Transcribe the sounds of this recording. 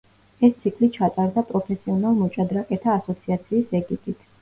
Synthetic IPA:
ɛst̪sʰikʰlit͡ʃʰat̪ʼaɾd̪apʼɾɔpʰɛsiɔnalˠmɔt͡ʃʼad̪ɾakʼɛt̪ʰaːsɔt̪sʰiat̪sʰiːsɛɡit̪ʼit̪ʰ

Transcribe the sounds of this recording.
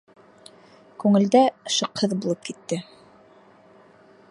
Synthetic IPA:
kʉŋɘ̆ld̪æʃɤ̆qhɤðbulˠɤp̚kit̪ːɘ

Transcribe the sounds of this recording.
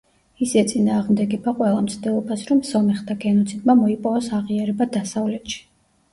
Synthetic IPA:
isɛt̪sʼinaːʁmd̪ɛɡɛbaqʼwɛlˠamt̪sʰd̪ɛlˠɔbasɾɔmsɔmɛχt̪ʰaɡɛnɔt̪sʰid̪mamɔipʼɔvɔsaʁiaɾɛbad̪asavlɛt̪ʃi̥

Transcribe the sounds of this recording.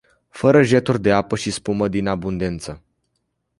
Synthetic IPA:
fəɾəʒe̞t̪urʲd̪e̞apəʃispuməd̪inabund̪e̞nt̪sə

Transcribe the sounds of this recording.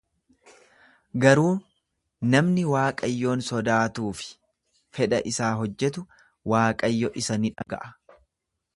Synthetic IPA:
ɡɐɾuː | nɐmnɪwaːkʼɐjːo̞ːnsɔd̪aːt̪uːfɪ̥ | fɛᶑɐ̰ʔɪsaːɦɔd͡ʒːɛt̪̬ʊ | waːkʼɐjːɔʔɪsɐnɪᶑɐɡɐ̰ʔɐ̥

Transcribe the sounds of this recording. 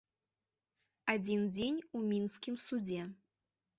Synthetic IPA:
ad͡zʲind͡zʲenʲumʲinskʲimsud͡zʲɛ

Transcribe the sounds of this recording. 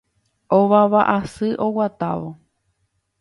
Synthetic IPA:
oʋaβaʔasɨʔowat̪a̰ʋo

